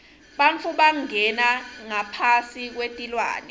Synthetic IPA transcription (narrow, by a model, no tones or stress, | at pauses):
ɓant͡fʰuɓaŋɛnaŋapʰasik̬wetʼilwa̰ːnɛ